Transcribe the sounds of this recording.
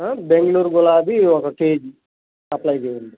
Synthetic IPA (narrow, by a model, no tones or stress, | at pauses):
beŋɡɐluːɾɡulaːbiɔkɐʈeːd͡ʒ | ɐplɐjd͡ʒeːjuɳɖ̪i